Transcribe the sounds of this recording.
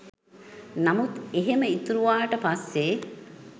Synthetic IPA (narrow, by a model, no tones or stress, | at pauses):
namut̪eɦeməit̪uɾuʋaːʈəpasːe